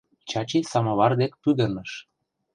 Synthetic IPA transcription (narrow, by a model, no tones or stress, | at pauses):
t͡ɕɑt͡ɕisɑmɑβɑrd̪ek̚pyd̪ə̆rnɤ̆ʃ